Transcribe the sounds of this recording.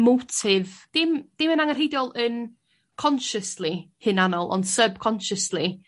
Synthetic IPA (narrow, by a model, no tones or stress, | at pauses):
mowtʰɪvd̥ɪmd̥ɪmənaŋərɦejdjɔlˠən | kʰɔnʃəslˠihɨnanɔlˠʔɔ̰nd̥səb̥̚kʰɔnʃəslˠi